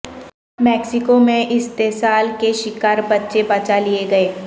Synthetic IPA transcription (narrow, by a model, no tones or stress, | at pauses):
mɛːksɪkomẽʔɪst̪eːsaːlkeʃɪkaːɾbɐtːʃebat͡ʃalieɡɐeː